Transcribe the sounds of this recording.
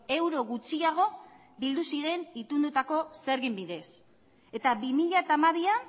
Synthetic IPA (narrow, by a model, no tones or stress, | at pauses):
e̞wɾo̞ɣut͡siaɣ̞o̞ | bild̪usiɾe̞nit̪und̪ut̪ako̞seɾɣimbiðe̞s | e̞t̪aβimiʎat̪amaβia